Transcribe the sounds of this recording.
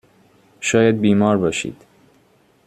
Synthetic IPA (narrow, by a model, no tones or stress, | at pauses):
ʃɒːjæd̪̚biːmɒːɾbɒːʃḭːd̪̥